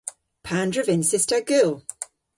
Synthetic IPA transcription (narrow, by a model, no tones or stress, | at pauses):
pʰãndɹəvɪ̃nsɪstəɡʉlˠ